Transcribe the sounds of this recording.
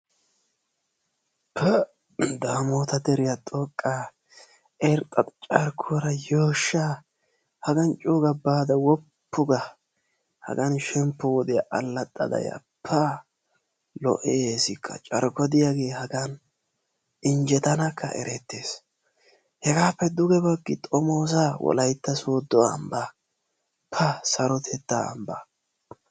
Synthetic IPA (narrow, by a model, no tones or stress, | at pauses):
pʰɛ | d̪aːmoːt̪ɐd̪ɛɾɪjɐt̪ʼoːkʼːaː | ɛɾt̪ʼːɐt͡ʃʼɐɾkʰʊɔɾɐjoːʃːaː | hɐɡɐnt͡ʃʼuːɡɐbaːd̪ɐwɔpːʊɡɐ | hɐ̰ɡɐnʃɛmpːɔwɔd̪ɪjɐʔɐlːɐt̪ʼːɐ̰d̪ɐ̰jɐ̰ | pʰːɐ | lɔ̰ʔeeːsɪkʰːɐ̰t͡ʃʼɐɾkɔd̪ɪjaɡe̞ːhɐɡɐn | ɪnd͡ʒɛt̪ɐnɐkʰːɐ̰ʔɛ̰ɾɛt̪ːeːs | hɛɡaːpːɛd̪ʊɡɛbɐɡːɪt̪ʼɔmoːs̬awɔ̰lɐjt̪ːɐsoːd̪ɔɐ̰mbɐ | pʰɐsɐɾɔt̪ʰɛt̪ːa̰ːmbɐ